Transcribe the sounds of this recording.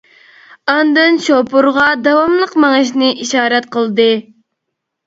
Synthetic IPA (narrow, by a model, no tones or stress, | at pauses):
ɑnd̪ɨnʃopuɾʁɑd̪ɑwɑmlˠəqmɑŋɨʃnɨʔiʃɑːɾɛt̪̚qəlˠd̪ɨ